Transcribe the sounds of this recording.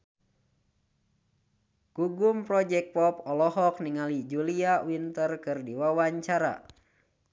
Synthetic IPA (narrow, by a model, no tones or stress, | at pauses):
ɡ̥uɡumpɾɔd͡ʒɛk̚pɔpɔlɔɦɔk̚niŋalid͡ʒuliawint̪ərkɨrdiwawaɲt͡ʃaɾa̰